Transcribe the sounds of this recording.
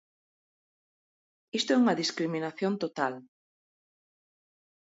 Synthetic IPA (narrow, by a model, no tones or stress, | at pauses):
ist̪oɛuŋɐðiskɾiminaθjont̪ot̪al